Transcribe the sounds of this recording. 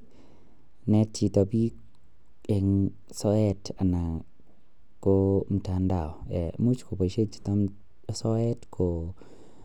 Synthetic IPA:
nɛ˧ti˧t̪a˧bi˦ | e˧ŋ | sɔ˧˦ɛ˧ta˨na˨ | ko˧˦m̩˧ta˧nda˨wɛ̰˨mu˦t͡ʃkʰo˨pa˨ʃe˦t͡ʃi̥˨t̪a˧m˨ | sɔ˦ɛ˦tkʰo˨

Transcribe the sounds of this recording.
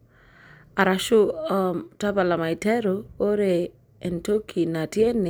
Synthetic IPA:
a˨ɾa˨ʃo˦ɔmta˦ba˨la˨ma˨ɪ˨tɛ˦ɾo˨o˦ɾe˨ | ɛ˨nto˦kʰi˨na˨tje˦nɪ˨

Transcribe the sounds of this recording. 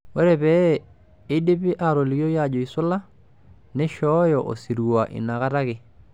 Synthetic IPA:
wɛ˦ɾɛ˨bɛː˦ | de˦bɪ˦ʔa˨ɾo˨li˨jo˦ja˦˨d͡ʒo˨i˨sʊ˦la˦ | nɛ˦ʃɔ˦jɔ˨ʔo̰˨si˨ɾu˨wa˨ʔɪ̰˨na˨ka˦ta˦kɪ˨

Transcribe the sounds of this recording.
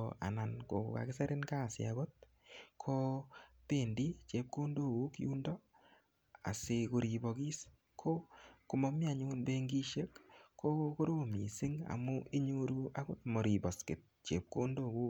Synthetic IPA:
a̰˨na˨nko̰˨ka̰˨kɪ˦sɛ˦ɾɪ˦nka˦˨sj̰a̰˨ɣo˦t̪̚ | kʰo˦te˦˨ndi˦t͡ʃe˦p̚ko˦ndo˦˨ku˦kṵ˦ndɔ˦ | a̰˨se˧ko˨ɾi˨bo˨ki˦s | kʰo˦kʊ˨mo˦mja˨ɲu˦nbe˦ŋɡi˦ʃe˦kkʰːo˦ko˦ɾo˦mi˨sɪ˦ŋa̰˨mʊ˦ʔi˦ɲo˦ɾu˦a˦ɡo˦t̪mo˨ɾi˨bɔ˨skɪ˨t̪̚t͡ʃḛ˨p̚ko˦ndo˦ku˦

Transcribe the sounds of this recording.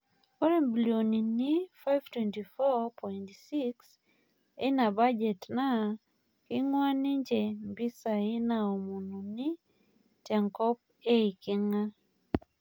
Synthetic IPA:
kɔ˦ɾɛmbiljoni˨nifa˦jv̥twɛnti˨fɔpʰɔintsiks | ɛ˦na˨ba˦d͡ʒɛ˨tna | ki˦ŋwa˦ni˦ɲd͡ʒɛ˨mbi˦sai˦naɔ˨mu˨nu˨ni | tja˨ŋkɔ˦p̚ | e˦iki˦ŋa˦

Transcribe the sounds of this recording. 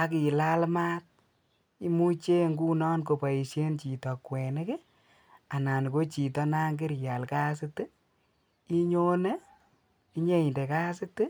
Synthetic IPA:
a˨ki˨la˦lma˦t̚ | i˦mu˦t͡ʃe˦ŋɡu˦nɔ˦nko˨pa˨i˨sje˦nt͡ʃi˨tɔ˨kwɛ˨ne˦ke˦ | a˨na˨n˨ko˦t͡ʃi˨tɔ˧˦na˦ŋɡɪ˦ɾja˨lka˦sɪ˦tɨ˦ | i˦ɲo˦ne˦ | i˦ɲe˦i˨nde˨ka˦sɪ˦tɨ˦

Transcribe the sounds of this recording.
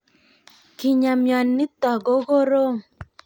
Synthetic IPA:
ki˨ɲa˨mjɔ˨nːi˦tɔ˨ɡo˦ɣo˦ɾo˦˨

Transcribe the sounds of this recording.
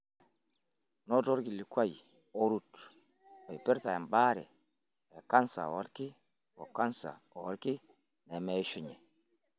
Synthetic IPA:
nɔ˦tɔ˦ɾɡi˨li˨kwa˦j | o˦ɾu˦t | ɔ˨i˨pi˦ɾta˨ɛ˨mba˦ɾɛ̰˨ | ɛ˨ka˦nsa̰˨wɔ˦lki˦ | wɔ̰˨ka˦nsa̰˨ɔ˨wɔ˦lki˦ | nɛ˨mɛ˨˦ʃu˨ɲɛ˨

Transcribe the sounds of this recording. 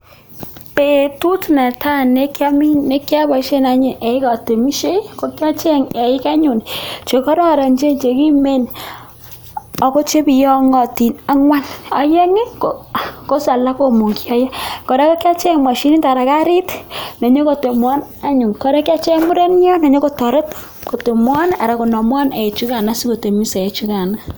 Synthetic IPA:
pe˨tu˦tna˨tʰa˦˨ne˦kja˦mi˦ne˦kja˦ba˨˦ʃe˦na˦ɲɪ˨ʔɛ˨ɪ˦kɔ˨te˨mi˦ʃe˦ko˨kja˦t͡ʃɛ˦ŋɛ˨ɪ˦ka˦ɲu˨nt͡ʃe˨kɔ˦ɾa˦˨ɾa˨ɲt͡ʃe˦nt͡ʃe˨ki˦me˦˨n | ɔ˨ko˦t͡ʃe˦pi˨jɔ˦ŋɔ˨ti˨na˦ŋwa˦nɔ˨je˦ŋe˦ko˨ko˦sa˨la˦ko˦mo˨ŋki˦ɔ˦jɛ˦kɔ˨ɾe˦ko˦kja˦t͡ʃe˦ŋmwa˨ʃi˦ni˦nta˨ɾa˨ka˦ɾi˦tne˨ɲo˦ko˨te˨mwɔ˦na˦ɲu˨ŋkɔ˨ɾe˦kja˦t͡ʃe˦mu˦ɾe˦n˦jɔ˦ne˨ɲo˦ko˦tɔ˨ɾe˦t | ko˨te˨mwɔ˦na˨ɾa˨ko˨nɔ˨mwɔ˦ne˨e˨t͡ʃu˦ka˨na˦si˦ko˨te˨mi˦se˨e˨t͡ʃu˦ka˨na˦

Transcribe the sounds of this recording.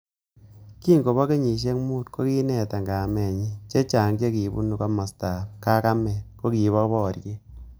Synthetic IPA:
ki˦ŋɡo˨bɔ˦ke˦ɲi˨ʃ̬e˦kmu˦tko˦ki˦nɛ˨ta˨ŋɡa˨mɛ˨ɲi˦t͡ʃe˦t͡ʃa˨ŋt͡ʃe˦ki˨bṵ˦nu˨ka˦ma˨sta˨pka˦ka˦mɛ˨ko˦ki˨˦βɔ˦bɔ˦˨ɾke˦

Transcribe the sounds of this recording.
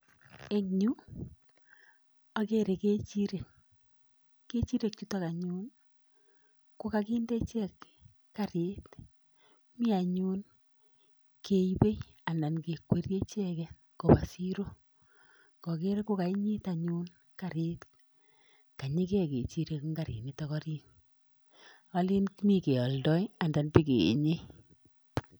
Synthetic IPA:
e˦ŋɲu˦ | a˦ke˦ɾe˨ke˦t͡ʃi˦ɾe˨k | e˦t͡ʃi˦ɾe˨k̚t͡ʃu˦ta˦ka˨ɲu˦n | ko˦ka˨ki˦ndɛ˦t͡ʃɛ˦kː | a˨ɾe˦t | mi˦a˨ɲu˦n | kʰe˨˦ibe˦j | a˨nda˨nke˨kwe˦ɾje˦t͡ʃɛ˦kɛ | ko˨ba˨si˦ɾo˦ | ɡ̥ɔ˨ke˦ɾe˦ko˦ka˨i˦ɲi˦ta˨ɲuː˦n | ka˨ɾe˦t | ka˨ɲi˦kɛ˦˨ke˨t͡ʃi˧ɾe˦kŋɡa˦˨ɾḭ˨ni˨tɔkɔ˦ɾiː˦n | a˦li˦nkmi˦ke˨ɔ˨ldɔ˦ja˨nda˨npi˦kḛ˨ɲe˦

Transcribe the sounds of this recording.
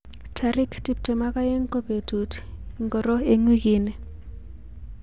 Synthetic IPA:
tʰari˦kʰtʼi˨b̚tʰʼɔ˨ma˦k̬ʼa˦je˦ŋkʼɔ˦b̥e˨dʱu˨tʰŋɡɔ˨rɔ˦e˦ŋwi˦k̬ʼiː˦nɛ˨

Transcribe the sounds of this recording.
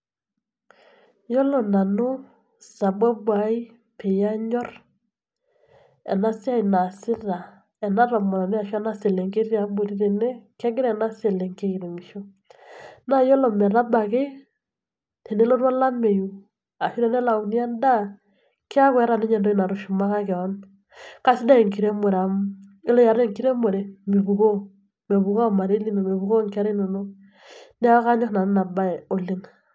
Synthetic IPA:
jɔ˦lɔ˨na˨no˦ | sa˨bwa˦bwa˨˦i˦ | pʰe˨ja˦ɲɔ˦ɾ | ɛ̰˨na˦sa˦i˨na˨sɪ˦ɾa˨ | ɛ˨na˦ɾɔ˨mɔ˨ɾa˨ne˦a˨ʃa˦na˦se˨le˨ŋɡe˦ɾja˨bo˨ɾi˦ɾe˨nɛ˦kɛ˦ŋɡe˦ɾɛ˨na˦se˨lɛ˨ŋɡe˦i˨ɾɛ˨mi˨ʃɔ˦ | na˦jɔ˦lɔ˨mɛ˨ɾa˦ba˨ɣe˦ | te˨ne˦lo˦ɾwa˦la˦me˨ju˨ | a˨ʃi˦ɾɛ˦nɛ˦la˨u˨ni˦a˦nda˦ | ki˦a˦kwɛ˨˦ɾa˦˨ne˦ɲɛ˨ndo˦i˦na˨ɾo˦ʃu˨ma˦ka˦kɛ˨ɔ˦n | ka˨si˦da˦e˨ŋki˨ɾe˦mwɛ˨ɾa˨mɪ˦lɔ˦ja˨ɾe˦ŋki˦ɾe˦mwɛ˨ɾe˨mi˨βu˨ko˦ | me˨βu˨ka˦˨ma˨ɾe˦li˦me˨me˨βu˨ko˦ŋka˦ɾe˦no˨no˦ | nɛ˦a˦ka˦ɲɔ˦sna˨n˦na˨ba˦ɛ˨o˨le˦ŋ

